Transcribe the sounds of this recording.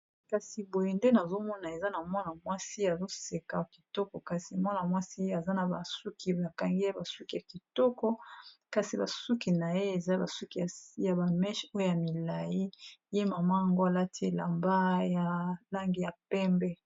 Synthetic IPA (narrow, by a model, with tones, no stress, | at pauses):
ka˨si˨bo˨je˨nde˦na˨zo˦mɔ˦na˨e˨za˦na˨mwa˦na˨mwa˦si˦a˨zo˦se˨ka˨ki˨tɔ˦kɔ˨ka˨si˨mwa˦na˨mwa˦si˦a˨za˦na˨ba˨su˦kʰi˨ba˨ka˨ŋɡi˦e˦ba˨su˦ki˦˨ja˨ki˨tɔ˦kɔ˦ka˨si˨ba˨su˦ki˨na˨je˦e˨za˦ba˨su˦ki˨a˨˦ja˨ba˨mɛ˦ʃo˦o˦ja˨mi˨la˨ji˦je˦ma˨ma˦ja˨ŋɡo˦a˨la˦ti˦e˨la˨mba˦ja˨la˦ŋɡi˦ja˨pɛ˦mbɛ˦